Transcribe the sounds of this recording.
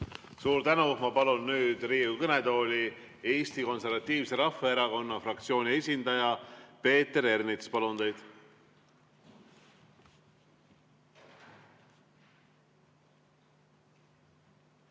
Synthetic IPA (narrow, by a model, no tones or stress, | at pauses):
suːɾt̪ænumɑpɑlunːyːd̪̥riːukɤne̞d̪o̞ːlʲi | e̞ːst̪iko̞nse̞rvɑt̪ːiːvse̞ɾɑfɑeɾɑko̞nːɑfrɑkt̪sio̞ːnʲie̞sʲind̪ɑjɑpe̞ːt̪ːe̞ɾe̞rnit̪spɑlunt̪e̞jd̪̥